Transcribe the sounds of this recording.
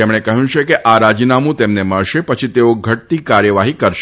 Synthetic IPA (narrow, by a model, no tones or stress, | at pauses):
emɽ̃ekəɦjũt͡ʃʰekeʔaɾad͡ʒinamũt̪emneməɭʃepət͡ʃʰit̪eoɡʱəʈ̚t̪ikaɾjəʋaɦikəɾʃ